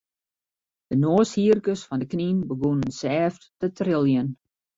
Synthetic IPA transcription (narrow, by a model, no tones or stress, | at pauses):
d̥ənoːshiərkəsfɔndəkninbəɡonənsɛːfttətrɪlˠjən